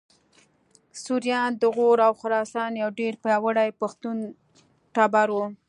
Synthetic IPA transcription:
suɾjɑnd̪əɣoɾawxʊɾɑsɑnjawɖeɾpwəɽajpaxt̪un | ʈɑbaɾwu

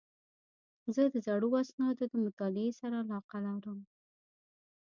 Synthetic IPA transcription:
zəd̪əzaɽuasnɑd̪od̪əmʊt̪ɑlɪesaɾaːlɑqalaɾəm

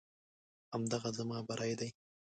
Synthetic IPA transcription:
hamd̪aɣazamɑːbaɾʔajd̪aj

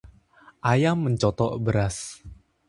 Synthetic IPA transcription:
ʔajamːəɲt͡ʃɔt̪ɔʔbəɾas

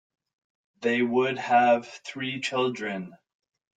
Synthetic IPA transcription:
ðeɪwʊd̚əv̥θɹit͡ʃʰɪlˠdɹɨ̃n

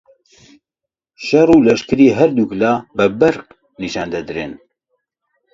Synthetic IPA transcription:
ʃɛruːlɛʃkɨɾiːɦɛɾd̪uklɑːbɨbɛɾq | niʃɑːnd̪ɛd̪ɨɾɨn

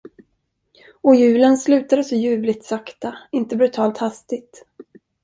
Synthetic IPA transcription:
ɔjʉ̟ːlənslʉ̟ːt̪ad̪əsɔjʉ̟ːvlɪt̪sakt̪aɪnt̪əbɾɵt̪ʰɑːlt̪hast̪ɪt̪

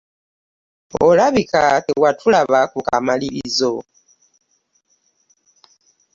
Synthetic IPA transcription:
o̰laβikateɣwatʰulaβakuka̰maliβizo

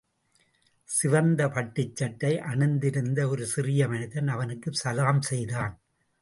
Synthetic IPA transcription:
sɪʋɐnd̪ɐpɐʈːɪt͡ʃːɐʈːɐɪʔɐɳɯnd̪ɪɾɯnd̪ɐɔɾɯsɪrɪjɐmɐnɪðɐnɐʋɐnɯkːɯsɐlaːmsɛjðaːn

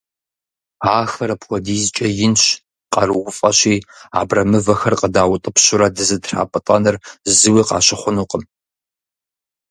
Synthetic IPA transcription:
aːxɐɾɐpxʷɔdiːzt͡ʃʼɐjɪnɕ | qʼɐrɨwʊfʼɐɕiːa̰ːbrɐmɨvɐxɐrqʼədaːwʊtʼɨpɕʊɾɐdɨzɨdra̰ːpʼɨtʼɐnɨrzɨwiːqɑ̰ːɕɪχʷʊnuːqʼəm

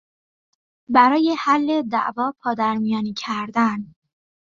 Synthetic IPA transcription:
bæɾɒːje̞hælːe̞d̪æ̰ʔvɒːpʰɒːd̪æɾmijɒːnicʰæɾd̪æn

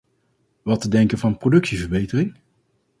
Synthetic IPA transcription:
ʋɑtədɛŋkənvɑnprowdɵksivəɹbejtərɪŋ

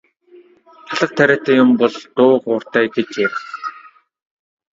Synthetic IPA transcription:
aɮə̆q̚t̪ʰæɾʲæːt̪ʰæːjʊmpɔɮt̪ʊːqʊːr̥t̪æːɡet͡ɕjær

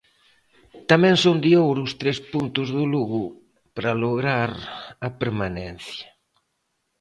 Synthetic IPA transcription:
t̪amɛ̃ŋsond̪ɪowɾʊst̪ɾespunt̪ʊzðʊluɣʊ | pɾaloɣɾaɾɐpeɾmanɛn̟θjɐ

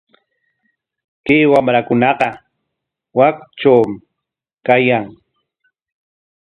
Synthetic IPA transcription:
kiːwamɾakʊnɑqɑ | wakt͡ʃawm | kajaŋ

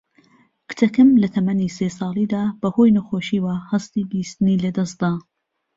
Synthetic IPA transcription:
kɨ̥t̪ʰɐkɐmlɐt̪ʰɐmɐnisesɑːlˠiːd̪aːb̥ɐhojnɐxoʃiːwahɐst̪iːbist̪ɨniːlɐd̪ɐs̚d̪aː

